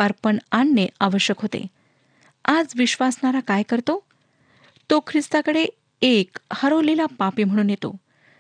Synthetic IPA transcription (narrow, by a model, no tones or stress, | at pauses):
əɾpəɳanːəaʋəɕjəkɦot̪ḛ | ad͡zʋiɕʋasɳaɾakajkəɾt̪o | t̪okʰɾist̪akəɽe | ekhəɾolilapapiːm̤əɽ̃uːnjet̪o̰